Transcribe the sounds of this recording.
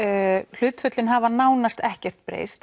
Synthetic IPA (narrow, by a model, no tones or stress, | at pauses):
l̥ʏːt̪fʏt̪lɪnɦavanaːwnast̪ɛhcɛr̥t̪̚pɾḛːjst̪